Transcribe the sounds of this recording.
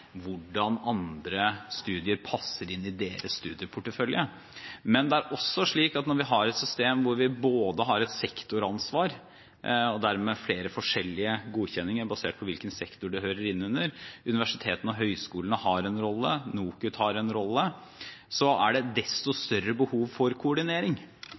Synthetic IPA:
ʋʊɖɑnɑnd̪ɾəst̪ʉːd̪ɪəɾpʰɑsːəɾɪnːɪd̪eːɾəsst̪ʉːd̪ɪəpʰʊʈːəfœljə | mɛnd̪ɛæɾʔɔsːɔʂɭiːkɑt̪nɔɾʋɪɦɑɾɛt̪sʏst̪eːmʋʊɾʋɪboːd̪əɦɑɾɛt̪sɛkt̪ʊɾɑnsʋɑːɾ | ɔd̪æɾmɛfleːɾəfɔʂɛlːɪəɡuːçɛnːɪŋəɾbɑsḛːʈ̚pʰɔʋɪlkənsɛkt̪ʊɖɛhøːɾəɾɪnːʉnːəɾʉnɪʋæʂɪt̪ʰeːt̪ənɔɦœʏskuːlənəhɑɾɛnɾɔlːənuːkʉt̪hɑɾɛnɾɔlːə | sɔæ̰ɖɛd̪ɛst̪ɔst̪œɾːəbəhuːʋfɔɾkʰʊɔɖɪneːɾɪŋ

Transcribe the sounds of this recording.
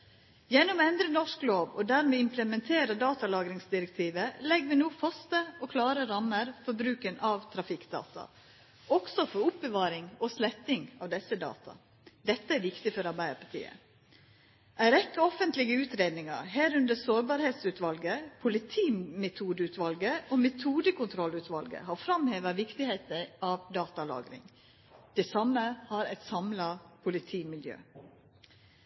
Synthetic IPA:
jɛnːɔmɛnd̪ɾənɔʂkloːʋɔ̰d̪æɾmeːɪmpləmɛnt̪ʰeːɾəd̪ɑːt̪ɑlɑːɡɾɪŋsd̪ɪɾɛk̚t̪ʰiːʋəlɛɡʋɪnuːfɑst̪əoːkʰlɑːɾəɾɑmːəɾfɔɾbɾʉːkənʔɑʋt̪ʰɾɑfɪkd̪ɑ̰ːt̪ʰɑ̰ | ɔɡsɔfɔɾʊpbəʋɑːɾɪŋoːslɛt̪nɪŋɑʋd̪ɛsːəd̪ɑ̰ːt̪ʰɑ̰ | d̪ɛt̪ːəæɾʋɪkt̪ɪfɔɾɑɾbæɪəɾpʰɑt̪ʰḭːə̰ | ʔæɪɾɛkːəɔfənt̪lɪɡəʉːt̪ɾeːd̪nɪŋɑ̰ɾhæːɾʉnd̪əsoːɾbɑːɾheːt̪sʉːt̪ʋɑlɡəpʰʊlɪt̪ʰiːmɛt̪ʰuːd̪əʉːt̪ʰʋɑlɡəomɛt̪ʰuːd̪əkʰʊnt̪ʰɾɔlʉːt̪ʰʋɑlɡə̰hɑɾfɾɑmheːʋəʋɪkt̪ɪheːt̪əɾʔɑʋd̪ɑːt̪ɑlɑ̰ːɡɾɪ̰ŋ | d̪̥ɛsɑmːəhɑɾæɪt̪sɑmlɑpʰʊlɪt̪ʰiːmɪljø̰ː

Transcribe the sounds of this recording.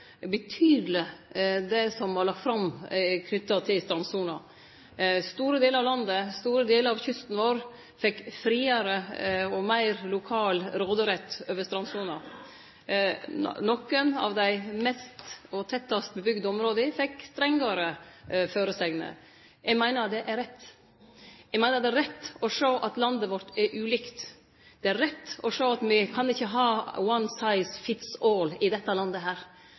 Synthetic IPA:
bət̪ʰyːd̪ləd̪ɛsɔmʋɑlɑk̚t̪fɾɑmkʰnʏt̪ːɑt̪ʰɪlst̪ɾɑnsuːnɑ | st̪uːɾəd̪eːləɾɑʋlɑnd̪əst̪uːɾəd̪eːləɾɑʋçʏst̪n̩ʋoːɾ | fɛkːfɾiːɑɾəɔmæɪɾlʊkʰɑːlɾoːd̪əɾɛt̪ːøːʋəst̪ɾɑnsuːnɑ | nɔkːənɑ̰ʋd̪æɪmɛst̪ɔt̪ʰɛt̪ːɑst̪̚bəbʏɡd̪əɔmɾoːd̪əfɛkːst̪ɾɛŋɡɑɾəføːɾəsɛɡnə̰ | jɛɡmæɪnəɾd̪ɛʔæɾɛt̪ː | jɛɡmæɪnəɾd̪ɛæɾɛt̪ːɔʂoːʔɑt̪lɑnd̪əʋɔɾʈ̪ɛɾʔʉːliːkt̪ | d̪̥ɛæɾɛt̪ːɔʂoːɑt̪mɪkʰɑnɪçːəɦɑːwɑnsɑɪsfɪt̪sɔːlɪd̪ɛt̪ːɑlɑnd̪əɦæːɾ

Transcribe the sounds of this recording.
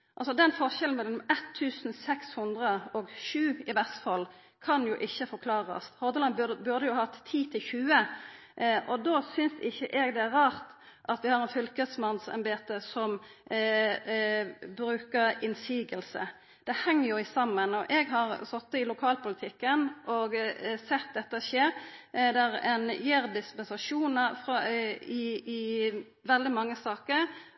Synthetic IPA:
ʔɑlsɔd̪ɛnfɔʁʃɛln̩mɛlːəmɛt̪ʰːʉːsn̩sɛkshʉnd̪ʁəɔɡʃʉːɪʋæʁsfɑl | kʰɑnjʊʔɪçːəfɔʁkʰlɑːʁɑ̰shɔʁd̪əlɑnbbʉʁd̪əjʊhɑt̪ʰːiːt̪ʰɪlçʉːə | ʔɔd̪oːsʏnsɪçːəʔɛɡd̪ɛæʁɾɑːʁt̪ | ʔɑt̪ʋɪhɑʁɛnfʏlkəsmɑnsɛ̰mbeːt̪əsɔm | bɾʉːkəɾɪnsiːɡəlsə̰ | d̪̥ɛhɛŋːəɾjʊɪsɑmːənɔʔɛɡɦɑʁsɔt̪ːəɪlʊkʰɑːlpʊlɪt̪ʰɪkːənɔɡsɛt̪̚d̪ɛt̪ːəʃeːɾd̪ɛʁɛnjeːɾd̪ɪspɛnsɑʂuːnəfʁɪɪ | ʋɛld̪ɪmɑŋːəsɑːkəɾ

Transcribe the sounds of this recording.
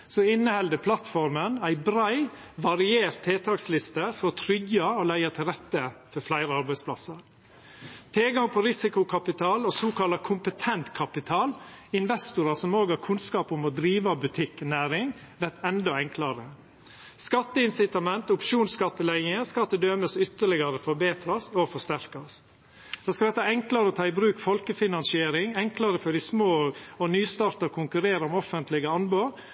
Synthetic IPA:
sɔɪnːəhɛld̪əpʰlɑt̪fɔɾmənæɪbɾæɪ | ʋɑɾɪeːɾt̪ʰːeːt̪ʰɑkslɪst̪əfɔɾɔt̪ʰɾʏɡɑoːlæɪɑt̪ʰɪlɾɛt̪ːəfɔɾflæɪɾəɑɾbæɪspʰlɑ̰sɑɾ | t̪ʰeːɡɑŋpʰɔɾɪsɪkʊkʰɑpɪt̪ʰɑːlosoːkɑlɑkʰʊmpət̪ʰɛnt̪kʰɑpɪt̪ʰɑːlɪnʋɛst̪ʊɾɑsɔmoːɡɑkʰʉnskɑːpʊmɔd̪ɾiːʋɑbʉt̪ʰɪkːnæːɾɪŋ | ʋæɾt̪ɛnd̪ɔɛŋklɑɾə | skɑt̪ːəɪnsɪt̪ɑmɛnt̪ʊpʃuːnskɑt̪ːəlæɪəŋəskɑt̪ːəd̪øːməsʏt̪ːəɭɪɡɑɾəfɔɾbeːt̪ɾɑsɔfɔʂt̪æɾkɑs | d̪̥oːskɑd̪ɛt̪ːəɛŋklɑɾəɔt̪ʰɑːɪbɾʉːkfɔlkəfɪnɑnsɪeːɾɪŋɛŋklɑɾəfɔɖɪsmoːɔnyːst̪ɑːɾt̪ɑkʰʊŋkʉɾeːɾʊmɔfənt̪lɪɡəɑnboːɾ

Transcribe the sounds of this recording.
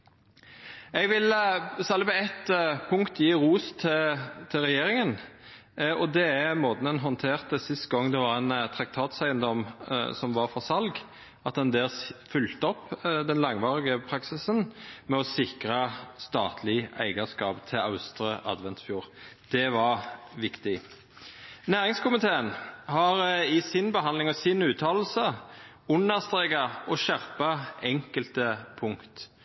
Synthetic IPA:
ɛɡʋɪlsɑlːbəɛt̪pʰʊŋkt̪jiːʁuːst̪ʰt̪ʰɪʁɛjeːɾɪŋən | ɔd̪ɛæmoːd̪nənɦɔnt̪ʰeːʁt̪əsɪst̪ɡɔŋd̪ɛʋɑɾæɪnt̪ʰɾɑk̚t̪ʰɑːt̪sæɪənd̪ɔmsɔmʋɑʁfɔsɑlɡ | ɑt̪̚d̪ɛnd̪eːlsfʏlt̪əɔpːd̪ɛnlɑŋʋɑːɾɪɡəpʰɾɑksɪsənmɛɔsɪkɾɑst̪ɑːt̪ʰlɪæ̰ɪɡəskɑːpt̪ʰɪlɑʉst̪ɾəʔɑ̰d̪ʋɛnt̪fjuːɾd̪̥ɛʋɑɾʋɪkt̪ɪ | næːɾɪŋskʊmɪt̪ʰeːənhɑɾɪsɪnbəɦɑnd̪lɪŋɔsɪnʉːt̪ʰɑːll̩sə | ʊnːəʁst̪ʁeːɡɑɔʃæʁpɑɛŋkəlt̪əpʰʊŋkt̪

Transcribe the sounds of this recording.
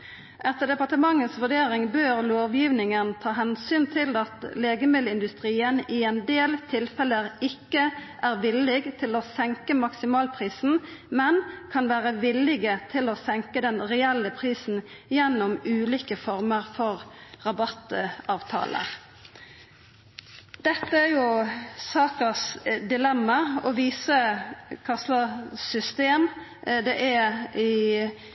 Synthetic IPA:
ʔɛt̪əd̪ɛpɑʈəmɑŋːəsʋʉʁɖeːʁɪŋbøːʁloːʋjiːʋnɪŋənt̪ʰɑːɦɛnsyːnt̪ʰɪlɑt̪leːɡəmɪd̪lɪnd̪ʉst̪ʁiːənɪɛnd̪eːlt̪ʰɪlfɛləʁɪkːəʔæʁʋɪlɪɡt̪ʰɪloːsɛŋkəmɑksɪmɑːlpʰʁiːsn̩mɛnkʰɑnʋæːʁəʋɪlːɪɡət̪ʰɪloːsɛŋkəd̪ɛnɾɛɛlːəpʰʁiːsn̩ | jɛnːɔmʉːliːkəfɔɾməʁfɔʁʁɑbɑt̪ɑːʋt̪ʰɑ̰ːlʔə̰ | d̪̥ɛt̪ːəæɾjʊsɑːkəsd̪ɪlɛmːɑɔʋiːsəkʰɑslɑsʏst̪eːm | d̪ɛʔɛɪ

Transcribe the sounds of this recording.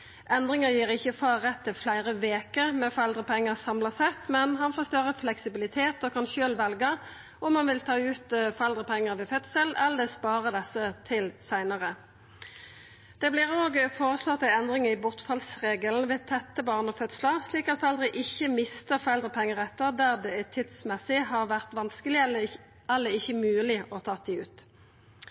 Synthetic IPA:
ʔɛnd̪ʁɪŋəjiːʁɪçːəfɑʁɛt̪ʰːɪflæɪʁəʋeːkəmɛfɔɛld̪ʁəpʰɛŋːəsɑmlɑsɛt̪mɛnhɑnfoːst̪œʁəflɛksɪbɪlɪt̪ʰeːt̪oːkʰɑnʃøːlʋɛlɡə | ʔɔmhɑnʋɪlt̪ʰɑːʉːt̪fɔʁɛld̪ʁəpʰɛŋːəʁʋɛfœt̪səlɛlːəspɑːʁəd̪ɛsːət̪ʰɪlsæɪnəʁə | d̪̥ɛːblɪʁoːɡfoːʁəslɔt̪ːɛnd̪ʁɪŋɪbʊʁt̪fɑlsʁeːɡəln̩ʋeːt̪ʰɛt̪ːəbɑːʁnɔːfœt̪slɑsliːkɑt̪fɔʁɛld̪ʁəʔɪçːəmɪst̪əfɔʁɛld̪ʁəpʰɛŋːəʁɛt̪ːəʁd̪æʁd̪ɛæt̪ʰɪt̪smɛsɪɦɑʁʋæʁt̪ʋɑnskəlɪ | ɛlːəɪçːəmʉːlɪʔɔt̪ʰɑːt̪iʉːt̪

